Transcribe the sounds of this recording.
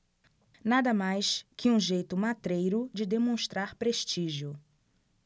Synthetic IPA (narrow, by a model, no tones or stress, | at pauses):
nad̪ɐmajskʰɪũʒejt̪ʊmat̪ɾejɾʊd͡ʒɪd̪emõʃt̪ɾaɾpɾeʃt͡ʃiʒiʊ